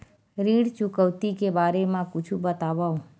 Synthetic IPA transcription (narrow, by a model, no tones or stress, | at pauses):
ɾiɽt͡ʃʊkəwt̪ikebaɾemãkʊt͡ʃʰubət̪aʋaw